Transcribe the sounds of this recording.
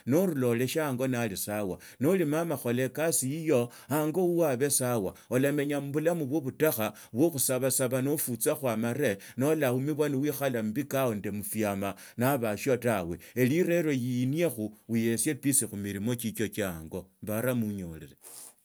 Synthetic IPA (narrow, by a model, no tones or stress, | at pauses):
noɾulo̞le̞ʃaŋɡo̞nalisawa | nolimamaxo̞le̞kasiijo̞ | aŋɡo̞uwaβe̞sawaolame̞ɲam̩βulamuβwoβutaxa | βwoxusaβasaβanofut͡saxwamaɾe̞ | no̞laumiβwaniwixalambikaondemufjama | naβaʃjotawe̞eliɾe̞ɾo̞jiːniexuuje̞sje̞pisixumiɾimo̞t͡ʃit͡ʃo̞t͡ʃaŋɡo̞mbaɾamuɲoliɾe